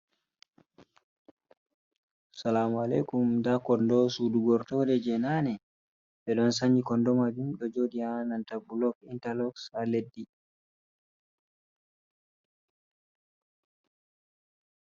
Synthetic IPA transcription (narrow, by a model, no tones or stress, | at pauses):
salamalejkumdakɔndɔsuduɡɔɾtɔdɛd͡ʒɛnanɛ | ɓɛɗɔns̬aɲd͡ʒikɔndɔmad͡ʒumɗɔd͡ʒoːɗianantabulɔɡintalɔkshaledːi